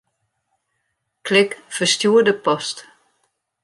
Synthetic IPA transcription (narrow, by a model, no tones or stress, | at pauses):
kʰlɪkfəstjuːədəpɔst